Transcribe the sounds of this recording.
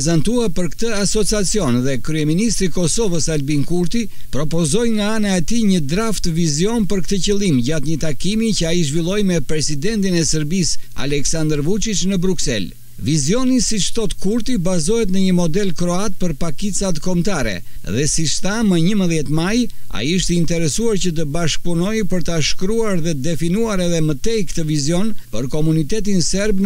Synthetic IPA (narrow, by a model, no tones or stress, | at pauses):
zant̪uapəɾkt̪əasɔt͡siat͡siɔnðɛkɾyɛminist̪ɾikɔsɔvəsalbinkuɾt̪i | pɾɔpɔzɔjŋɡaanaɛt̪iɲəd̪ɾaft̪əvizjɔnpəɾkt̪əcəlˠimɟat̪ɲət̪akimicəaiʒvilˠɔjmɛpɾɛsid̪ɛnt̪inɛsəɾbisa̰lɛksand̪ɾvut͡ʃit͡ʃnəbɾuksɛ̰l | vizjɔnisit͡ʃt̪ɔt̪kuɾt̪ibazɔɦɛt̪nəɲəmɔd̪ɛlkɾɔat̪̚pəɾpakit͡sat̪kɔmt̪aɾɛ̰ | ðɛsit͡ʃt̪aməɲəməðjɛt̪maja̰iiʃt̪ɛint̪ɛɾɛsuaɾcət̪̬əbaʃk̚punɔjpəɾt̪aʃkɾuaɾðɛd̪ɛfinuaɾɛðɛmət̪ɛjkt̪əvizjɔnpəɾkɔmunit̪ɛt̪̬insɛɾb